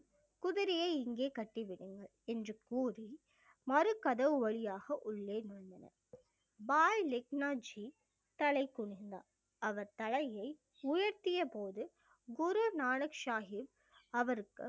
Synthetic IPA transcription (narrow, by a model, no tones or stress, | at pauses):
kʊðɪɾɪjɐɪɪŋɡeːkɐʈːiʋɪɽɯŋɡɐɭ | ɛndrɯkuːri | mɐɾɯkɐðɐʋɯʋɐɭɪjaːɣɐʔʊɭːeːnʊɳd̪ɐnɐ̰ | baːjlɪk̚naːd͡ʒi | t̪ɐɭɐɪkːʊɳɪnd̪a̰ː | ɐʋɐɾt̪ɐlɐjɐɪ | ʊjɐɾt̪ɪjɐpoːðɯ | ɡʊɾunaːnɐkʃaːɦɪʋ | ɐʋɐɾɯkːɯ